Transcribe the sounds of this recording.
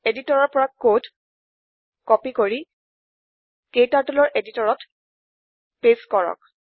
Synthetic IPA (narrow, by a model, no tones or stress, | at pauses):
editɔɹɔɹpɔɹakːod | kɔpikoɹi | kejtaɹtulɔɹʔeditɔɹɔt | peskɔɹɔ̰k̚